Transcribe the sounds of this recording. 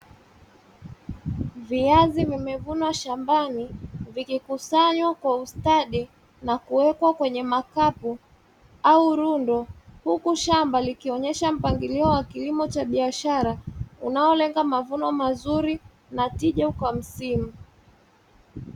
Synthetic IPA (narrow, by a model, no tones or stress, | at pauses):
viazivimɛvunwaʃambanivikikusaɲwakwaustaɗi | nakuwɛkwakwɛɲɛmakapu | auɾundɔhukuʃambalikiɔɲɛʃam̩paŋɡiliɔwakilimɔt͡ʃaɓiaʃaɾaunaɔlɛŋɡamavunɔmazuɾi | natiʄakwam̩simu